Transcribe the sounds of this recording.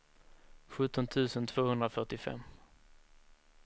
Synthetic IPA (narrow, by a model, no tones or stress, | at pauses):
ɧɵt̪ːɔnt̪ʰʉ̟ːsənt̪ʰvoːhɵnd̪ɾafœʈɪfɛ̰mː